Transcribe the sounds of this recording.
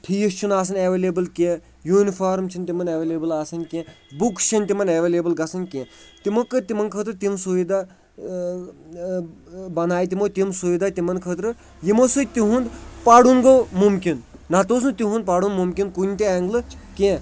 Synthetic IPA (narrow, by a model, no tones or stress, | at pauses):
ʈʰijist͡ʃʰunaːs̬ɐneʋeleːbɨlkẽː | juːnifaːɾmt͡ʃʰint̪imɐneʋeːleːbɨlaːsɐnʲkʲẽːbukt͡ʃʰɐnʲt̪imɐneʋeːleːbɨlɡɐsɐnʲkʲẽː | t̪imokːɨt̪imɐnkʰəːt̪ɾɨt̪imsuʋid̪a | bɐnaːjt̪̬imot̪imsuʋʲid̪aːt̪imɐnkʰət̪ɾɨ | jimosɨt̪iɦund̪paɽunɡomumkʲinnat̪oːs̬nt̪iɦũnd̪̚paɽunmumkʲinkunʲt̪ieŋɡlɨkẽː